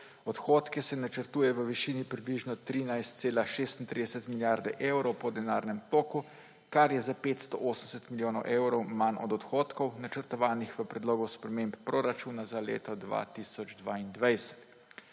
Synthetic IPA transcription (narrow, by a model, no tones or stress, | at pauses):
ɔt̪xoːt̪kɛsɛnat͡ʃəɾt̪uːjɛʋəʋiʃiːnipɾibliʒnɔt̪ɾiːnajst̪̚seːlaʃeːst̪int̪ɾid̪ɛsət̪miljaɾd̪ɛʔewɾɔwpɔd̪ɛnaːɾnɛmt̪oːku | kaɾjɛzapeːt̪st̪ɔ̰ʔoːsəmsɛt̪miljoːnɔwʔewɾɔwmanɔ̰d̪ɔt̪xoːt̪kɔwnat͡ʃəɾt̪ɔʋaːnixʋəpɾɛd̪loːɡɔspɾɛmemppɾoɾat͡ʃuːnazalḛːt̪ɔd̪ʋa̰t̪isɔd͡ʒd̪ʋa̰ːind̪ʋajsɛ̥t̪